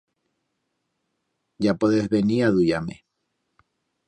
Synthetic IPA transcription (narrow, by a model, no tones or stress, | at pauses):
ɟ͡ʝapoðezβeniaðujamḛ